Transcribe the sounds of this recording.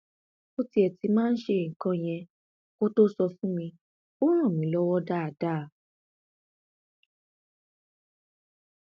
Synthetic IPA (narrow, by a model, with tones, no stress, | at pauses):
o˦ti˦ɛ˨ti˧mãː˦n̩˦ʃe˧˦˨kã˧j̃ɛ̃˧ | ko˦to˦sɔ˧fũ˦mĩ˧ | o˦ɾ̃ã˦˨mĩ˨˦lɔ˦wɔ˦da˦a˨da˦˨